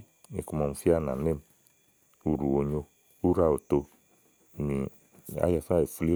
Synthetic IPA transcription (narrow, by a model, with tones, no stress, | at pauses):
e˨ku˧mɔ˨m̩˧fi˦a˦˧˨na̰˨ne˦m˦ | u˨ɾu˨o˨ɲo˧ | u˦ɾa˧˨o˨to˧˨ | ni˨ | a̰˦ja˨fa˦e˨fu˧li˦